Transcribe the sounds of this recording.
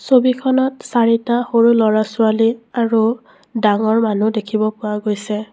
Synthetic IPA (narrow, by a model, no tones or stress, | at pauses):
sobikʰɔnɔtsaɹitaxoɹulɔɹasʊaliaɹu | daŋɔɹmanudekʰibɔpʊaɡojsɛ